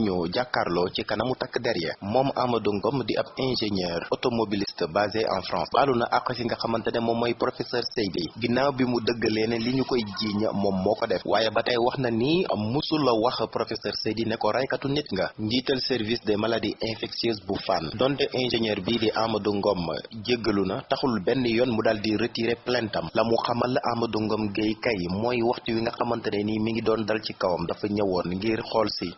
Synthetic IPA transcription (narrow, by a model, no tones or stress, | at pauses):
ɲuɟakːarlɔcikɐnɐmutɐkːdɛɾjɛ̰mɔːma̰mɐduŋɡɔmdiʔɐ̰b̚ɛ̃ʒeɲɛːrɔtomobilistəbazɛʔã̰frɑ̰̃ːsbaːlunɐʔaqːɐsiŋɡɐxɐmɐntɛnɛmɔmːɐjprɔfɛsɛɾsejdiɡinawbimudəɡːəlɛːnɛliɲukɔjɟiːɲɐ̰mɔmːɔkɔdɛfwʔaːjɛbɐtɐjwɐxnɐniɐ̰musulɐwɐxprɔfɛsɛɾsejdinɛkɔɾɐjkɐtunɛtŋɡɐɲɟitɛlsɛrvisdɛmɐladiʔɛ̃fɛksioːs̬bufandɔntɛʔɛnʒɛɲɛrbidiʔamɐduŋɡɔm̰ɟəɡːəlunɐtɐxulbɛnːijɔnmudaldiɾətiːɾeplɛntɐmlɐmuxɐmɐlːɐʔamɐduŋɡɔmɡəjkɐjmɔːjwɐxtiwiŋɡɐxɐmɐntɐnɐnimiŋɡidɔːndɐlcikɐwɐmdɐfɐɲɐwɔnŋɡirxɔːlsi